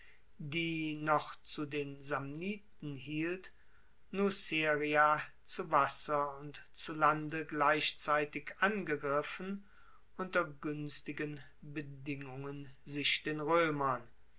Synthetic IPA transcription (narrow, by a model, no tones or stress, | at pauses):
diːnɔχt͡sudeːnzamniːtn̩ɦiːlt | nuseːʁia | t͡suvasɐʊntt͡sulandəɡlaɪʃt͡saɪtɪkʔanɡəɡʁɪfn̩ | ʔʊntɐɡʏnstɪɡən | bədɪŋʊŋənzɪʃd̥eːnʁøːmɐn